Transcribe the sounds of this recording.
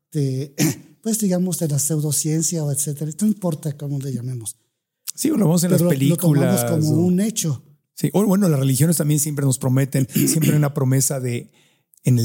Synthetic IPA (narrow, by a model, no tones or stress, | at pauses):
d̪e | pwe̞zd̪iɣamo̞zðelase̞wðo̞sje̞nsjaoet̪set̪eɾaenoimpo̞ɾt̪akomoleʝamemos | sioloβemos̬enlaspelilok̪oulamoskomoune̞t͡ʃo̞ | siʔoβwe̞no̞lasre̞lixjo̞nes̬t̪ambje̞nsje̞mpɾeno̞spɾo̞me̞t̪e̞nsjempɾejunapɾo̞me̞saðe̞ː | ne